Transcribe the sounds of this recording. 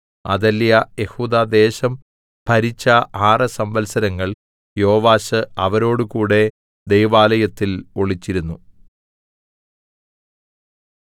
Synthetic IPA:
ɐ̰ðɐljɐje̞huːd̪aːd̪e̞ːɕɐm | pʰɐɾit͡ɕːɐʔaːrɐsɐmʋɐlsɐɾɐŋːɐɭ | joːʋaːɕɨɐʋɐɾo̞ːɽɨkuːɽe̞ | d̪e̞jʋaːlɐjɐt̪ːilo̞ɭit͡ɕːiɾunːu

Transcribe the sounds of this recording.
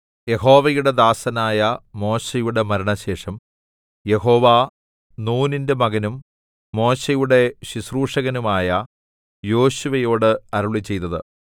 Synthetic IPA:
je̞ɦo̞ːʋɐjuɽe̞d̪aːsɐnaːjɐmo̞ːɕejuɽe̞mɐɾɐɳɐɕe̞ːʂɐm | je̞ho̞ːʋa | nuːninde̞mɐɣɐnumː | o̞ːɕejuɽe̞ɕisruːʂɐɣɐnumaːjɐ | jo̞ːɕuʋɐjo̞ːɽɨɐɾuɭit͡ɕe̞jt̪ɐðɨ̰

